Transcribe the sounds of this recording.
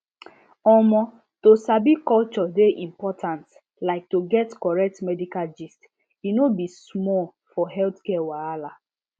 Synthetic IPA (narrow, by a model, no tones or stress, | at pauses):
ɔmɔ | tosabikɔlt͡ʃɔdeʔĩmpɔtʰãnt | laɪk̚toɡɛtkɔɹɛk̚tmɛdikald͡ʒist | inobismɔl | fɔɦɛltkɛwaala